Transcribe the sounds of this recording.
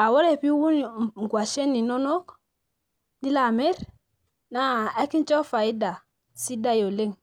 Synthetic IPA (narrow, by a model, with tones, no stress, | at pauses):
a˨wo˦ɾe˦˨pi˦wu˦nŋ̩˨ɡwa˨ʃe˦ni˨no˦no˦k | di˦la˨me˦ɾ | na˦e˦ki˦nt͡ʃo˦fa˨i˦da˨ | si˦da˦jo˨le˦˨ŋ